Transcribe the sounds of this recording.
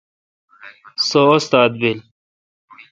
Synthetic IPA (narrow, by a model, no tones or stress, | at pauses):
soost̪aːd̪̚bil